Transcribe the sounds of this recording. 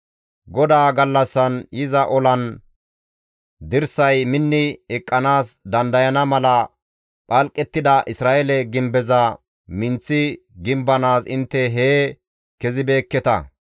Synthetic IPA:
ɡɔd̪aːɡɐlːɐsːɐnjɪzɐʔɔlɐn | d̪ɪɾsɐjmɪnːɪɛkʼːɐnaːsd̪ɐnd̪ɐjɐnɐmɐlɐ | pʼɐlkʼːɛt̪ːɪd̪ɐʔɪsɾaːʔɛlɛɡɪmbɛzɐ | mɪnt͡sːɪ | ɡɪmbɐnaːsɪnt̪ːɛɦeː | kɛzɪbe̞ːkːɛt̪ɐ

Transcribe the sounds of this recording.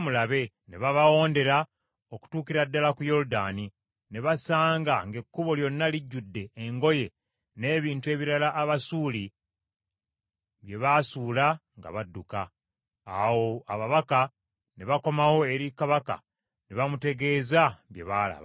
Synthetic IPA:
mulaβe̞ | neβaβawo̞ːnde̞ɾa | oku̥tuːkiɾadːalakujo̞ludani | neβasaːŋɡaŋɡe̞kːuβo̞ljo̞nːaliɟːudːe̞ːŋɡo̞je̞ | ne̞ːβiːntue̞ːβiɾalaʔːβasuːli | βje̞βasuːlaŋɡa̰βadːukaː | wo̞aβaβaka | neβako̞mawo̞e̞ɾikaβaka̰ | neβamute̞ɡe̞ːzaβje̞̰βaːla̰βa̰

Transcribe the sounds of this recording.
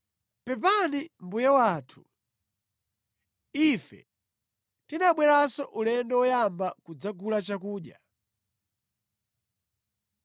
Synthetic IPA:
pɛp̬animbujɛwaːtʰu̥ | ifɛ̰ | tinaɓwɛɾasɔʔulɛndɛwɔjambakud͡zaɡulat͡ʃakuːɗja̰

